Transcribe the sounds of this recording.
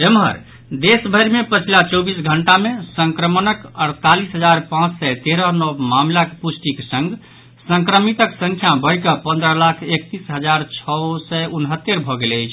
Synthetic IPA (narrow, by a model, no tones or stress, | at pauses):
emɦə̰ɾ | d̪esbʱəjɾmepət͡ʃʰilat͡ʃɔbisɡʱəɳʈamesə̃ŋkɾəmənəkəɽt̪alisɦəd͡ʒaɾpãt͡ʃsɛt̪eɾənɔbmamlakpusʈiksə̃ŋɡ | sə̃ŋkɾəmit̪əksə̃ŋkʰjabəɽkəpə̃nd̪ɾəlakʰek̚t̪isɦəd͡ʒaɾt͡ʃʰɔsɛunɦət̪ːeɾbʱɔɡeləjt͡ʃʰ